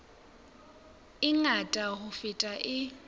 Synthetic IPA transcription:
ɪŋatʼahʊfɪtʼaʔɪ

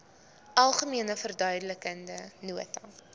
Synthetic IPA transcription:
ʔɐlˠχəmiənəfərdœɥdələkəndənuətɐ

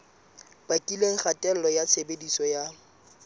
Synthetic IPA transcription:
b̥akʼileŋ̩χatʼɛlɔjasebedisɔja

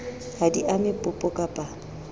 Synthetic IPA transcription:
hadiʔamɪpʼʊpʼɔkʼapʼa

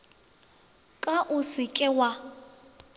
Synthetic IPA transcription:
kʼaʔʊsɪkʼɛwa

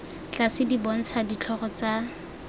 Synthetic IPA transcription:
t͡ɬasɪdibɔn̩t͡sʰadit͡ɬʰɔχɔt͡sa

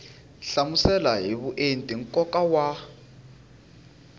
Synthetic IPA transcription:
ɬamusɛlaɦiβuʔentʼiŋkʼɔkʼawa

